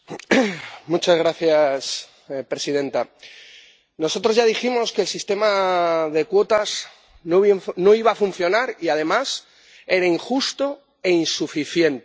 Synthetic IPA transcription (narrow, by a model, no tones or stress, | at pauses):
mut͡ʃazɣ̞ɾaθjas | pɾe̞sið̞ẽ̞nt̪a | no̞so̞t̪ɾo̞zʝaðiximo̞skelsist̪e̞maðe̞kwo̞t̪az | nono̞iβaːfun̟θjo̞naɾiað̞e̞mas | e̞ɾaiŋxust̪o̞ | e̞insufiθje̞nt̪